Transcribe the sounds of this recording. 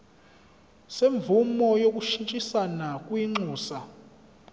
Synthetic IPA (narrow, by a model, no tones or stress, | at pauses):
seɱbvumɔjok̬ʼuʃint͡ʃʼisanakʼwiŋ͡ǀuːsa